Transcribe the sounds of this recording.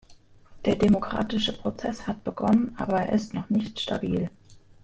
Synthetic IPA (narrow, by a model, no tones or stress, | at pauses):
d̥eːɐdemokʁ̥a̰ːtɪʃəpʁ̥ot͡sɛshat̚b̥əɡɔnənʔa̰ːbɐeːɐʔɪstnɔχnɪçtʃtʰa̰biːl